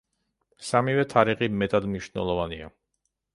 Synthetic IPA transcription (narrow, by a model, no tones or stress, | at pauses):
samivɛt̪ʰaɾiχimɛt̪ʼad̪mniʃnɛ̰lˠɔvania